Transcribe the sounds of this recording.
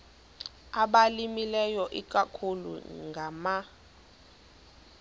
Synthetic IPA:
aɓalimilɛjɔʔik̬ʼakʰulṵŋɡʱama

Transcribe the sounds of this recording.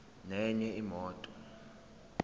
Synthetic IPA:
nɛɲɛimɔːtʼɔ

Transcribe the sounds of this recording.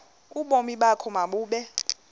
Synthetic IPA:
uɓomiɓakʰɔmaɓuːɓɛ

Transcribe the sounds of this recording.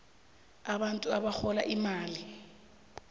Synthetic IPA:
aɓantʼuaɓaxɔlaʔimaːli

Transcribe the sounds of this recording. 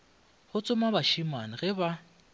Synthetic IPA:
hʊt͡sʼʊmabaʃiman̩ɣɛba

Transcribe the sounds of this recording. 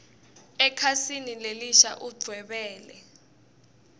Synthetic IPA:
ɛkʰasinileliʃa̰ʔuɡ͡ǀʱwɛɓɛːlɛ

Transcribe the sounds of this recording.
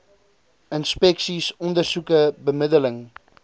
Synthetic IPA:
ənspɛksisɔndərsukəbəmədələŋ

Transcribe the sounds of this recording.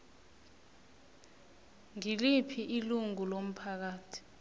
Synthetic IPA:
ŋilipʰiʔiluŋulom̩pʰak̬aːtʰi̥

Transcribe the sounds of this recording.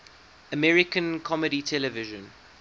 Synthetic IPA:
əmɛɹɪkə̃nkʰɔməɾitʰɛləvɪʒə̃n

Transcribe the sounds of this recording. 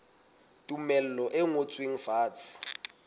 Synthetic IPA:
tʼumɛl̩lɔʔɛŋot͡sʼwiŋ̩faːt͡sʰʼi̥

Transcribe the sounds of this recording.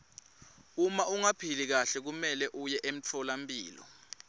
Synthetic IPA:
umauŋapʰilik̬aɬɛk̬umɛlɛʔujɛʔem̩tʰɔlampʼiːlɔ̰

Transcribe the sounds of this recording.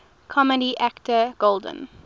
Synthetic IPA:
kʰɔmədiʔæktəɡ̥olˠdə̰̃n

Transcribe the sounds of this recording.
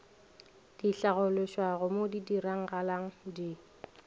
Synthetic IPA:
d̥iɬaɣʊlɪʃwaɣʊmodidiɾaŋ̩ɣalaŋ̩di

